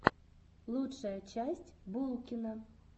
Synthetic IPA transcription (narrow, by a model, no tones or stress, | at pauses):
lˠutʂəjət͡ɕæsʲtʲbulˠkʲɪnə